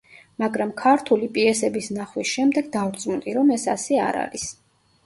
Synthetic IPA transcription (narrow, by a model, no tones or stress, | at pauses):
maɡɾamkʰaɾt̪ʰulipʼiɛsɛbisnaχwisʃɛmd̪ɛɡd̪avɾt̪sʼmunt̪ʼiɾɔmɛsasɛa̰ɾa̰ɾis